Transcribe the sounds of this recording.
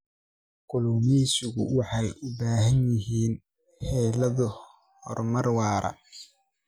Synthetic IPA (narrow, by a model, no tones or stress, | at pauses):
ɡʊlʊmiːsʊɣʊwɑħɑjʊbaːɦɐnjɪɦiːn | hɛːlɐðʊ | hɔ̰rmɐrwɑːɾɐ̰